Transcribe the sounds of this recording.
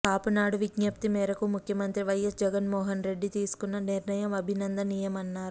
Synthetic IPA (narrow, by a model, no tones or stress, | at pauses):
kaːpunaːɽuʋiɡnɐp̚t̪imɛːɾɐkumukʰjɐmɐnt̪ɾiʋɐjɐsd͡ʒɛɡɐnmɔːɦɐnɾe̞ɖːit̪iːsu̥kunːɐniɾnɐjɐmɐbʱinɐnd̪ɐnijɐmɐnːaːɾu